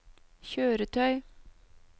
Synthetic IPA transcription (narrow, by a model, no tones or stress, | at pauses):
çøːɾət̪ʰœʏ